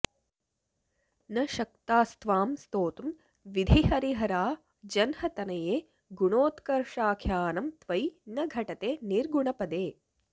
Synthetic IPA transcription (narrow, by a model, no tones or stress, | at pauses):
nɐʃɐk̚t̪aːst̪ʋaːmst̪oːt̪um | ʋid̪ʱiɦɐɾiɦɐɾaː | d͡ʒɐnhɐt̪ɐnɐjeː | ɡuɳoːt̪kɐɾʂaːkʰjaːnɐmt̪ʋɐjnɐɡʱɐʈɐt̪eːniɾɡuɳɐpɐd̪eː